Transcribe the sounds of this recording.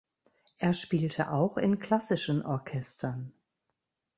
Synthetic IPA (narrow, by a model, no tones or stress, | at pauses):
ʔeːɐʃpiːltʰə̰ʔaʊxɪ̰nkʰl̥asɪʃənʔɔɐkʰɛstʰɐn